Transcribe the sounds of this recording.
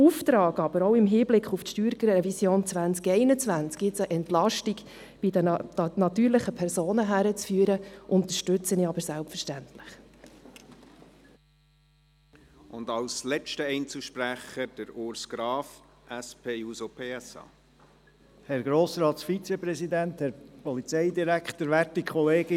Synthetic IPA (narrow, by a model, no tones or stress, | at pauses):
uft̪ɾɑːɡɑb̥əɾoʊɪmɦiːblɪkχuftʃtyːɾkəɾɛvisjoːnt͡sʋænt͡skɛɪnət͡sʋænt͡skɡɪtsəʔɛntlɑʃtiɡ | b̥ɪdənɑt̪yːɾlɪχəpʰɛɾsoːnəɦæɾət͡sfyːəɾəʔʊnt̪əɾʃtʉt͡sənɪɑbəɾsælpfəɾʃtænt̪lɪχ | ʊnd̪ɑlslɛt͡ʃtəɛɪnt͡suʃpɾæχəd̥əɾʊɾsɡ̥ɾɑːf | ʔæspʰeːuːzopʰeːɛsɑ̰ː | hɛɾɡɾoːsɾɑːt̪sfit͡sepɾɛzid̪ænt̪hɛɾpɔlit͡sɛjd̪iɾækt̪əɾʋætikʰχɔleːɡɪ